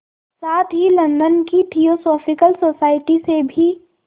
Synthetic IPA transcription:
saːt̪ɦilɐ̃nd̪ənkiʈʰiːosoːfɪkəlsoːsaːɪʈisebʱi

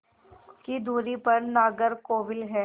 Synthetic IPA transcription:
kid̪ʱuːɾipɐɾnaːɡəɾkoːʋɪlɦɛː

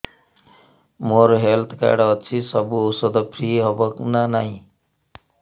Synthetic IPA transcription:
moɾɦelt̪ʰka̰ɖʌt͡sʰisʌbuosʌd̪ʌpʰriɦʌbʌknanaɦĩ

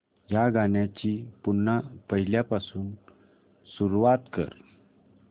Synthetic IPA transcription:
jaɡʱanjat͡ɕiːpunːapəɦiljapasuːn | suɾuʋat̪kə̰ɾ

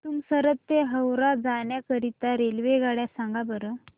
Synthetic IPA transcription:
t̪uːmsəɾət̪ːeɦəwɾad͡zaɳjakəɾit̪aɾelʋeɡaɽjasãŋɡabəɾə

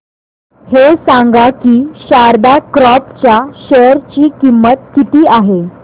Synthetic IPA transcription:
hesãŋɡakiːɕaɾd̪akɾɔpt͡ɕjaɕəɾt͡ɕiːkimːət̪̚kit̪iːʔaɦe

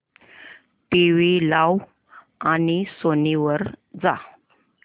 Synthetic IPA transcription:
t̪eʋelaw | anisoniʋəɾd͡za

